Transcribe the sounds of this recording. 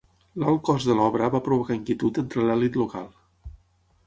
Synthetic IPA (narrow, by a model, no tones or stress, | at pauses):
lalˠkɔzðəlɔβɾəβapɾuβukaiŋkiət̪ut̪ent̪ɾəlɛlit̪luka̰lˠ